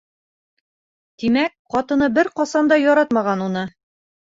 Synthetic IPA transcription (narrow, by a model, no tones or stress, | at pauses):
t̪imækqɒt̪ɤ̆nɤbɘɾqɒsɑnd̪ɑjɒɾɑt̪mɑʁɑnunɤ